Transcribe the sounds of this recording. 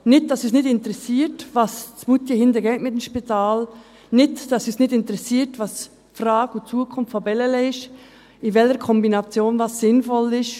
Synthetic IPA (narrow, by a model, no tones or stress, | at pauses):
nɪt̚d̥ɑsysnɪtɪntəɾɛsiːɾtvɑst͡sbutjəhɪndəɡɛːtmɪtɛmʃpitʰaːl | nɪtd̥ɑsysnɪtɪntɾɛsiːɾtvɑs | frɑːɡut͡suəkʰʊnffɔbɛlɛlɛɪʃ | ɪvɛləɾkʰɔmbinɑt͡sjoːnvɑsːɪnfɔlɪʃ